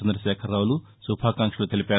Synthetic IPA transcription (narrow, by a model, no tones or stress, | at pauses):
end̪ɾɐʃɛːkʰɐɾaːwulu | subʱaːkaːŋʂɐlut̪elipʲaː